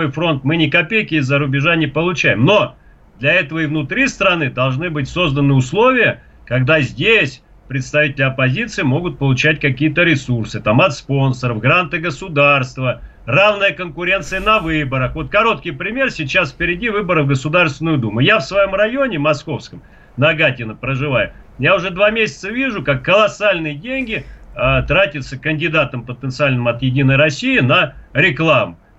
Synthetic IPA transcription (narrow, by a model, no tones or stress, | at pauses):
ojfɾo̞nt̪mɨnʲɪkɐpʲejkʲɪɪzːəɾʊbʲɪʐanʲɪpəlˠʊt͡ɕæjɪmno̞ | d̪lʲɐɛt̪əvəɪvnʊt̪ɾʲist̪ɾɐnɨd̪ɐlˠʐnɨbɨtʲso̞zd̪ənːɨʊslˠo̞vʲɪjə | kɐɡd̪azʲdʲesʲ | pɾʲɪt̪st̪ɐvʲitʲɪlʲɪɐpɐzʲit̪sɨɪmo̞ɡʊt̪̚pəlˠʊt͡ɕæt̚ʲkɐkʲijət̪əɾʲɪsursɨt̪amɐt̪spo̞nsəɾəvɡɾant̪ɨɡəsʊd̪arst̪və | ravnɨjəkənkʊɾʲe̞nt̪sɨjənɐvɨbəɾəxvo̞t̪̚kɐɾo̞t̪̚kʲɪjpɾʲɪmʲe̞rsʲɪt͡ɕasfʲpʲɪɾʲɪdʲivɨbəɾəvɡəsʊd̪arst̪vʲɪnʊjʊd̪umʊjafsvɐjo̞mrɐjo̞nʲɪmɐsko̞fskəm | nɐɡatʲɪnəpɾəʐɨvajʊ | jaʊʐɛd̪vamʲesʲɪ̥t̪səvʲiʐʊkakːəlˠɐsalʲnɨjədʲenʲɡʲɪət̪ɾatʲɪt̪səkənʲdʲɪd̪at̪əmpət̪ənt̪sɨalʲnɨmɐt̪jɪdʲinəjɾɐsʲijɪnəɾʲɪklˠamʊ